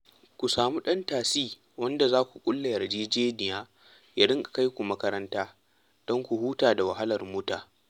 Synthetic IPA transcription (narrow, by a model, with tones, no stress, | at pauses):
kʷu˨saː˨muː˦ɗɐ˦ntaː˨siː˦ | wɐ˦nda˨zaː˦kʷu˨kʷʼʊ˦lːɐ˨jɐ˨rd͡ʒeː˦d͡ʒeː˦nɪ˨jaː˦ | ja˦ɽɪ˦ŋkʼḁ˨ka˦jkʷu˨mɐ˦kɐ˦ɾɐ˦ntaː˦ | d̥ɔ˦ŋkʷu˨huː˦taː˨da˨wɐ˨ɦa˦lɐ˨rmʊ˦taː˨